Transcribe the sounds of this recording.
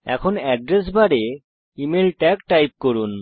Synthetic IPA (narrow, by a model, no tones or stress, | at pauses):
ɛ̰kʰɔnɛɖɾes̬baɽe | imelʈɛkʈajp̚koɹun